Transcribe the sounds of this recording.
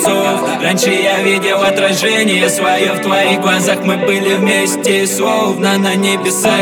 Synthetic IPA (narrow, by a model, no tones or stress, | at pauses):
so | ranʲʂɨjavʲidʲɪlˠɐt̪ɾɐʐɛnʲɪjəsvɐjoft̪vɐiɣɡlˠɐzaxmɨbɨlʲɪvmʲesʲtʲɪslˠovnənɐnʲebʲɪsa